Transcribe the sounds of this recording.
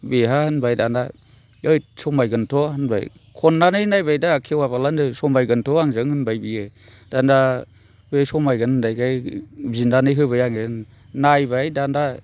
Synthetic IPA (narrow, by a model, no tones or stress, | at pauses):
beɦahɯnbajdanda | ɯjsɔmajɡɯntʰɔɦɯnba̰j | kʰɔnːanɯjnajbajdaːkʰewabalanɯsɔmajɡɯntʰɔaŋzɯŋhɯnbajbiɯ | d̥anda | bejsɔmajɡɯnɯndajkʰajbinanɯjɦɯβajaŋen | najbajdanda